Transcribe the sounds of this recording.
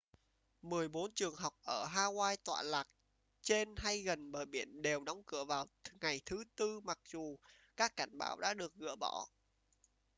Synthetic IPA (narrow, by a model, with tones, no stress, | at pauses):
mɨ˨˩əjɓo˨˦nt͡ɕɨ˨˩əŋɦa˨˩wk͡p̚ʔəː˧˩ɦaː˧waː˧jt̪wa̰ː˧˨laː˨˩k̚ | t͡ɕe˧nɦa˧jɣə˨˩nɓəː˧˨˩jɓi˧˩ənɗe˨˩wɗɔ˨˦wŋ͡mkɨ̰˧˩əvaː˨˩wŋa˨˩jt̪ʰɨ˨˦t̪ɨ˧ma˨˩k̚z̥u˨˩ | kaː˦˥kːa˧˩jŋ̟ɓa̰ː˧˩wɗa̰ː˧˥ɗɨ˨˩ək̚ɣɨ̰˧˥əɓɔ˧˩